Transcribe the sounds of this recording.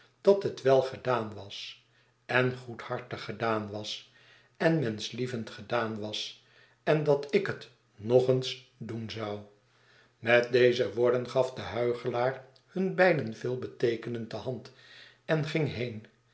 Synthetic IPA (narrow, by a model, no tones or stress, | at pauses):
d̥ɑtɦətʋɛlˠχədaːnʋɑs | ɛnχuthɑɹtəχədaːnʋɑs | ɛnmɛnslivəntχədaːnʋɑs | ɛndɑtɪkət | noχəns | dunzɑw | mɛt̚dejzəʋʊːɹdənχɑfdəɦœɥχəlaːr | hɵnbɛjdənvɪːlˠbətejkənəndəhɑnt | ɛnχɪŋɦejn